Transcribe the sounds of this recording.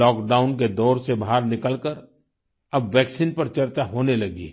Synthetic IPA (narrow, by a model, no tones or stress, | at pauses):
ɔːkɖaːʊnk̬ed̪ɔːɾsebʱaːɾnɪkəlkəɾ | ɐbʋɛːksinpɐɾt͡ʃɐɾt͡ʃaɦoːnelɐɡḭ